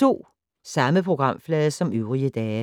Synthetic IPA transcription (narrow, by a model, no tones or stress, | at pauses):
o̝̰ː | sɑ̈məpʰʁoɡ̥ʁɑ̈m̰flɛːðˠsɒ̽møʊʁiəd̥ɛː